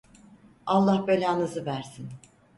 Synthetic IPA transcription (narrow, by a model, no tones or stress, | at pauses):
alˠːahbølʲanɯzɯvæɾsin